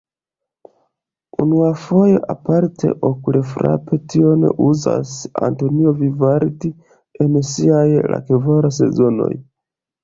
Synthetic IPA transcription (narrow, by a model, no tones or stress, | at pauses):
unuafo̞jeʔapaɾtʰe̞̰ʔokule̞fɾa̰pʰe̞tio̞nḛʔuza̰sa̰nto̞nio̞vivaɾti | ensiajlʔa̰kevaɾas̬e̞̰zo̞no̞̰j